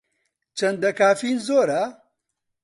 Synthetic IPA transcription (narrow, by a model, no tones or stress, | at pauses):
t͡ʃɐnd̪ɐkaːfiːnzoːɾa